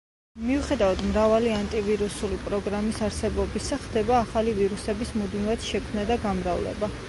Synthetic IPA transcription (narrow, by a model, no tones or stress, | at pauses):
miuχɛd̪avad̪mɾavaliant̪ʼiviɾusulipʼɾɔɡɾamisaɾsɛbɔbisaχd̪ɛbaːχaliviɾusɛbismud̪nivat̪ʃɛkʰmnad̪aɡamɾavlɛ̰ba